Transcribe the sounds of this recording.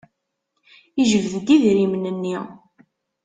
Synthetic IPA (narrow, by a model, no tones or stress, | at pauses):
iʒəvðd̪iðɾimnənːi